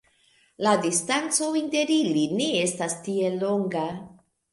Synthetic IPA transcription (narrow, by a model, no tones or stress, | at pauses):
ladistant͡sointe̞ɾiline̞e̞stastie̞lo̞ŋɡa